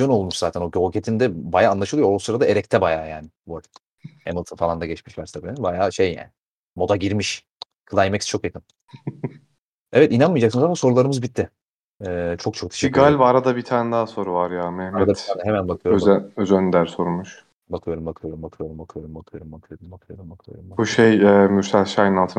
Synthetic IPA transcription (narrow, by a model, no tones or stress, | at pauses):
jono̞lˠmuʃzaːt̪ʰæno̞ɟolcʰet̪ʰind̪ɛbajaːnlˠaʃɯlˠɯjosɯɾad̪aeɾɛct̪ʰɛbajaːjaːnɪboɾ | hḛmɯlˠt̪ʰɯnfalˠand̪aɟɛt͡ʃmiʃlʲæɾsabiːbajaːʃejːa̰ːnɪ | mo̞d̪aɟiɾmiʃ | kʰɯlˠajemɛcst͡ʃʰo̞kjat̪ʰim | ɛvɛt̪inanmɯjad͡ʒaksɯnzamaso̞ɾulˠaɾɯmɯzbit̪ʰːɪ | ɛːt͡ʃʰo̞k̚t͡ʃʰo̞k̚t̪ʰe̥ʃɛɡalʲbaɾad̪abit̪ʰaːnɛd̪aːaso̞ɾuvaɾjaːmɛhmd̪aɛhemænbakɯjoøøzænd̪æɾso̞ɾumuʃ | bakʰɯjo̞ɾumbakʰɯjo̞ɾumbakʰɯjo̞ɾumbakʰɯjo̞ɾumbakʰɯjo̞ɾumbakʰɯjo̞ɾumbakʰɯjo̞ɾumbakʰɯjo̰ɾumbuʃejɛːmyɾsɛʃajnalˠt̪ʰɯ